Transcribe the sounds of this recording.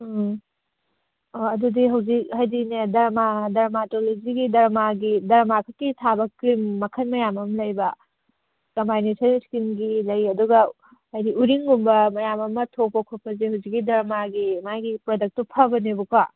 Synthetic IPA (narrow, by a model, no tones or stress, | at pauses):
oɐdudiɦɐwzik̚hajdinedɐɾmadɐɾmatolod͡ʒiɡidɐɾmaɡidɐɾmakʰɐkːitʰabɐkɾimːɐkʰɐnmɐjamɐmɐlɐjbɐ | kɐmpajnesʰɐnskimɡilɐjɐduɡɐ | ajdiʔuɾiŋɡumbɐmɐjamɐmɐtʰopɐkʰɔpɐzehɐwzik̚ːidɐɾmaɡimajɡipɾodɐk̚topʰɐbɐnebukʰwa